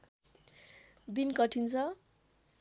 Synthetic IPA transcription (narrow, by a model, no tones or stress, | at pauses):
b̪inkʌʈʰint͡sʰʌ